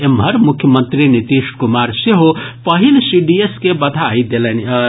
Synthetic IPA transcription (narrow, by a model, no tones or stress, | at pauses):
emʱʌɾmukʰːjəmənt̪ɾinit̪iʃʈkumaɾseɦopʌɦilsiɖieskebɐd̪ʱajd̪elen